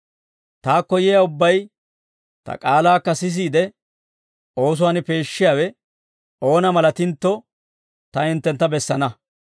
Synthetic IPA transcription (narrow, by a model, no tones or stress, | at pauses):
t̪aːkːɔjɪjaʊbːɐj | t̪ɐ̰kʼaːlaːkːɐsɪs̬iːd̪ɛ | o̞ːs̬ʊwaːnɪpe̞ːʃːɪjaːwɛ | o̞ːnɐmɐlɐt̪ɪnt̪ːɔ | t̪ɐɪnt̪ːɛnt̪ːɐbɛsːɐnɐ